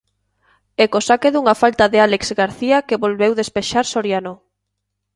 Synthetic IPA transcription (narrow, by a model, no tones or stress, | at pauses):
ɛkosakeðuŋafalt̪aðealekzɡaɾθiakeβolβewðespeʃaɾsoɾjano